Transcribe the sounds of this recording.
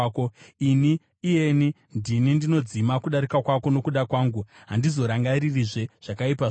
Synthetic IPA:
koiniː | je̞ni | ndinindino̞d͡zimakuɗaɾikakwako̞no̞kuɗakwaːŋɡuɦandizo̞ɾaŋɡaɾiriʐe̞ʐ̥akaipa

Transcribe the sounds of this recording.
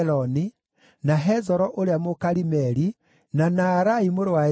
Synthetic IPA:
lɔni | naɦɛzɔɾɔʔoɾeamokaɾimɛɾi | nanaːɾaimoɾowa

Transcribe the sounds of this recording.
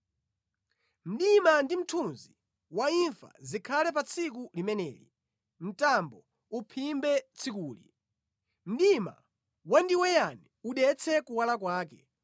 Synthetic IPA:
m̩ɗimandim̩tʰunzi | waiɱfa̰zikʰalɛp̬at͡sʰik̬ulimɛnɛ̰ːlḭ | m̩tambɔ | upʰimbɛt͡sʰikuːlḭ | m̩ɗima̰ | wandiwɛjanɛuɗɛt͡sʰɛkuwalakwaːkɛ

